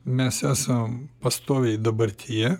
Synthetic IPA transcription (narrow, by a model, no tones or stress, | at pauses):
mʲɛsæsɐmpɐst̪oːʋʲɛɪd̪ɐbɐɾʲt̪ʲʰijɛ